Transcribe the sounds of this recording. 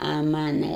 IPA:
ɐ ˈmɑːnɐ

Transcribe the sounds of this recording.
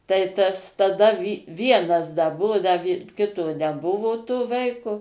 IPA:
tɐɪ ˈtɐs tɐˈdɐ ˈʋʲiɛnɐs dɐ ˈbʊʋoː dɐ ʋʲɪ ˈkʲɪtoː nʲɛˈbʊʋoː toː ˈʋɐɪkoː

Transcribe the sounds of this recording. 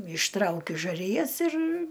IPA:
ɪʃˈtrɐʊkʲʊ ʒɐˈrʲɪjɛs ɪr

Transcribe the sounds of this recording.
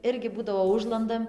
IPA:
ˈɪrʲɡʲɪ ˈbuːdɐʋoː ˈʊʒlˠɐndɐm

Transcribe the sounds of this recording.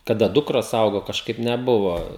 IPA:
kɐˈdɐ ˈdʊkroːs ˈɐʊɡoː kɐʃˈkɐɪp nʲɛˈbʊʋoː

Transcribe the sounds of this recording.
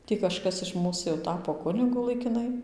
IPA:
ˈtʲiː kɐʃˈkɐs ɪʃ ˈmuːs jɛʊ ˈtɑːpoː ˈkʊnʲɪɡʊ lˠɐɪkʲɪˈnɐɪ

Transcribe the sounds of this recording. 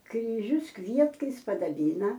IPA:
krʲiːˈʒʲʊs ˈkʋʲiɛtkɐɪs pɐdɐˈbʲiːnɐ

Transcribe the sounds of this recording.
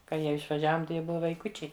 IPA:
kɐ ˈjiɛ ɪʃʋɐˈʒʲæːʋoːm tɐɪ ˈjiɛ ˈbʊʋɐ ʋɐɪˈkʊt͡ʃʲɛɪ

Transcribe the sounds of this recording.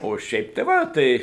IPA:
oː ˈʃʲɛɪp tʲɛɪ ˈʋɐ ˈtɐɪ

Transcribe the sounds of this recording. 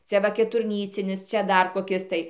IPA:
ˈt͡sʲɛ ʋɐ kʲɛtʊrʲˈnʲiːt͡sʲɪnʲɪs ˈt͡ʃʲɛ ˈdɐr koːˈkʲɪs tɐɪ

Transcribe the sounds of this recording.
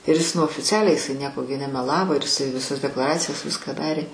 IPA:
ɪr ɪs nʊ oːfʲɪt͡sʲˈæːlʲɛɪ jɪˈsɐɪ ˈnʲiɛkoː ɡʲɪ nʲɛmʲɛˈlˠɑːʋoː ɪr ɪˈsɐɪ ʋʲɪˈsɐs dʲɛklˠɐˈrɑːt͡sʲɪjoːs ˈʋʲɪskɑː ˈdɑːrʲeː

